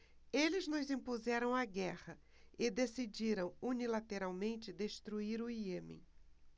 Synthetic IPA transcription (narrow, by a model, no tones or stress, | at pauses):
elɪznʊzĩpuzɛɾɐ̃w̃aɡɛhɐ | ɪd̪esid͡ʒiɾɐ̃w̃unilat̪eɾawmẽnt͡ʃɪd̪eʃt̪ɾuiɾʊiemḛ̃